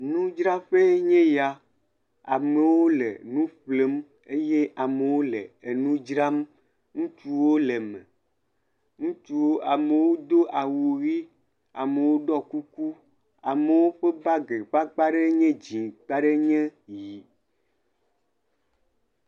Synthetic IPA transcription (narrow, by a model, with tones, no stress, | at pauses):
nũ˦d͡ʒɾa˦ɸe˦ɲɛ̃˦ja˨ | a˨me˨wo˦lḛ˨nũ˦ɸle˦m | e˦je˦ʔa˨me˨wo˦lḛ˨e˨nũ˦d͡ʒɾa˦m | ŋũ˦t͡ʃu˦wo˦le˨mẽ˨ | ŋũ˦t͡ʃu˦wo˦ʔa˨me˨wo˦d̪o˦ʔa˨wu˨ɣi˦ | a̰˨me˨wo˦ɖɔ˦ku˦ku˦ | a̰˨me˨wo˦ɸe˦ba˦ɡe˨k͡pa˦k͡pa˦ɖe˦ɲɛ̃˦d͡ʑĩ˨k͡pa˦ɖe˦ɲɛ̃˦ji˨